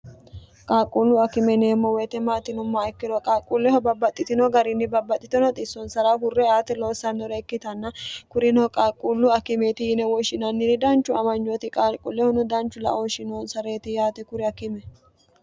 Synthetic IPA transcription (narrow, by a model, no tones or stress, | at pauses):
kʼaːkʼːuːlːʊɐkɪmɛneːmːɔwɛːt̪ɛmaːt̪ɪnʊmːaɛkːɪɾɔkʼaːkʼːulːɛhɔbɐbːɐt̪ʼːɪt̪ɪnɔɡɐɾɪnːɪbɐbːɐt̪ʼːɪt̪ɪnɔt̪ʼɪsːɔnsɐɾahʊrːɛaːt̪ɛloːsɐnːɔɾɛːkːɪt̪ɐnːɐkʊɾɪnɔkʼaːkʼːulːʊɐkɪmeːt̪ɪjɪnɛwɔʃɪnɐnːɪdɪd̪ɐnt͡ʃːʊɐmɐnd͡ʒɔt̪ɪkʼaːkʼʊ̰lːɛhɔnʊd̪ɐnt͡ʃːʊlɐ̰ʔoːʃɪnoːnsɐɾe̞ːt̪ɪjaːt̪ɛkʊɾɪɐkɪmɛ